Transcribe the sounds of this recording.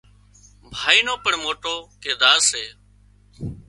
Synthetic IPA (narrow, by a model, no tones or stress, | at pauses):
bʱaːiːnoːpəɳmoːʈoːkeːd̪aːseː